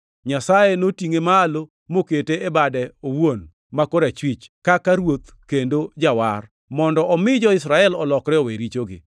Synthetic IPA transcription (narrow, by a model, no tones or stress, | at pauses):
ɲasaenotiŋemalo | moketeebadɛowon | makoɾat͡ʃwit͡ʃkakaɾwot̪ | kendod͡ʒawar | mɔndɔʔɔmɪd͡ʒɔɪsɾaɛlɔlɔkɾɛoweɾit͡ʃoɡɪ̰